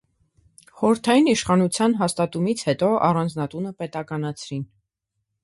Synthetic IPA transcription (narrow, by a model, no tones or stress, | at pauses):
χɔɾəɾt̪ʰɑjiniʃχɑnut͡sʰjɑnɦɑst̪ɑt̪umit͡sʰhɛt̪ɔʔɑ̰rɑnd͡znɑt̪unəpɛt̪ɑkɑnɑt͡sʰɾin